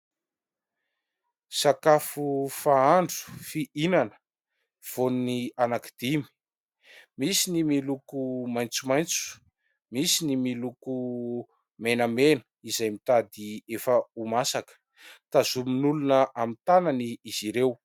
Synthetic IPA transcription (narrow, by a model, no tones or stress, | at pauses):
sakafufaaɳɖ͡ʐu̥fiʔinanə̥ | v̥onnianakid̪̥imi̥ | misinimilukumajnt͡sumajnt͡su̥ | misinimiluku | menəmenə̥izajmit̪ad̪iefəumasakə̥ | t̪azuminulunəʔamit̪ananiːz̥iɾew